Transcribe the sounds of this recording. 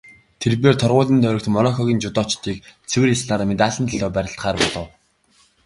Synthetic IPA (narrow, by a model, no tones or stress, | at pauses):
t̪ʰerp̬eːrt̪ʰɔrʁʊːɮĭnt̪ʰœɾɞ̆k̚t̪mɔɾɔŋxɔɣʲiːnt͡ɕʊt̪ɔːt͡ɕt̪iːkt͡sʰewɘ̆risɮaːɾmet̪aːɮə̆nt̪iɮɔːpæɾʲɪ̆ɬt̪χaːrpɔɮɞ̆w